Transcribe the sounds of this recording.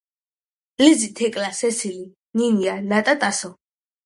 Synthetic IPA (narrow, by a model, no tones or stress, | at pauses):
lizit̪ʰɛkʼlasɛsili | ninianat̪ʼat̪ʼasɔ